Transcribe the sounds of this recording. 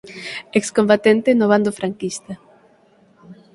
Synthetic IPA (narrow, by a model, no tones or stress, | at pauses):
ekskombat̪ent̪enoβ̞and̪ofɾaŋkist̪a